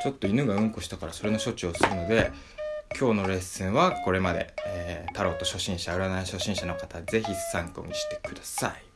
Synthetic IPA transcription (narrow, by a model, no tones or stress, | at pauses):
t͡ɕo̞t̪ːoinɯ̟ɡaɯ̟̃ŋko̞ɕi̥t̪akaɾaso̞ɾe̞no̞ɕo̞t͡ɕio̞sɨɾɯ̟no̞d̪e̞ | kʲʰo̞ːno̞ɾe̞sɨ̃ɰ̃βako̞ɾe̞mad̪e̞̰eːt̪aɾo̞t̪o̞ɕo̞ɕĩɰ̃ɕaɯɾanaiɕo̞ɕĩɰ̃ɕano̞kat̪aze̞çisãŋko̞̰ɲ̟iɕi̥t̪e̞̥kɯ̟d̪asai